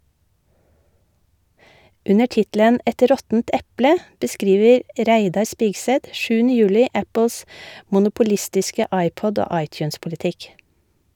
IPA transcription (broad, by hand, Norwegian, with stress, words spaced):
ˈʉnəɾ ˈtɪtlən ˈʔɛt ˈɾɔtn̩t ˈɛplə bəˈskɾiːʋəɾ ˈʔɾæɪdɑɾ ˈspɪɡsɛt ˈʃʉːn̩ə ˈjʉːlɪ ˈæpl̩s mʊnʊpʊˈlɪstɪskə ˈɑɪˌpɔd ˈoː ˈɑɪˌtjʉːnspʊlɪˌtɪk